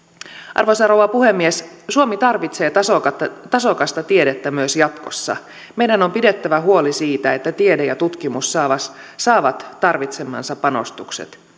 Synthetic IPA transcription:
ʔɑ̰rʋosɑrowɑpuɦe̞mːiessuomit̪ɑrʋit̪se̞ːt̪ɑsot̪ɑso̞kɑst̪ɑt̪ie̞det̪ːæmyøsjɑt̪ko̞̰sːɑ̰ | me̞jdæno̞mpide̞t̪ːæʋæɦuo̞lisiːt̪æet̪ːæt̪iedejɑt̪ut̪k̟imusːɑːʋɑs | sɑːʋɑt̪ːɑrʋit̪se̞mːɑ̰nsɑpːɑno̞̰st̪uksḛt̪

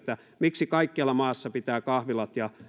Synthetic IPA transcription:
t̪ːæ | miksikɑikːeɑlːɑmɑːsːɑpit̪æːkɑhʋilɑt̪jɑ

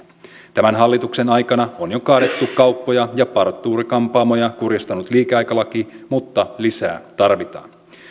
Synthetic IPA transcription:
t̪æmænɦɑlːit̪ukse̞nɑjkɑnɑonjo̞kɑːde̞t̪ːukkɑuwpːo̞jɑjɑpɑrt̪ːˑuːɾikɑmpɑːmo̞jɑkurjɑst̪ɑnut̪liːkeɑjkɑlɑk̟imut̪ːɑlisæ̰ːt̪ɑrʋit̪ɑ̰ːn

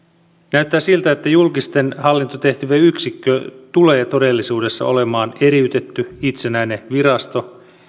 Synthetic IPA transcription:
næyt̪ːæːsilt̪æet̪ːæjulkist̪e̞nhɑlːint̪ot̪e̞ht̪yʋeyksikːøt̪ule̞jɑt̪o̞de̞lːisuːde̞sːɑ̰o̞le̞mɑːne̞ɾiyt̪e̞t̪ːyit̪senæine̞ʋiɾɑst̪o̞

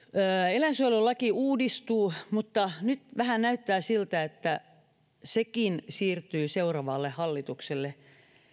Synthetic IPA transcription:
əːelænsyololːɑkiʔuːdist̪uːmut̪ːɑnyt̪ʋæhænæyt̪ːæːsilt̪æet̪ːæ | sekinsiːrt̪yːseurɑʋɑlːehhɑlːit̪ukselːe

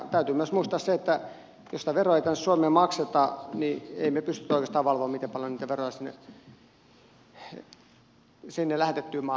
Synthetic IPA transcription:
t̪æyt̪yːmyøsmuist̪ɑːsseet̪ːæ | josit̪æʋeroɑeit̪ænːessuomeːmɑkset̪ɑniḛimepyst̪yt̪ːoˑikest̪ɑːʋɑlʋoːmit̪epɑljoniːt̪æʋerojɑsinːḛ | sinːelæht̪et̪ːyːmɑ

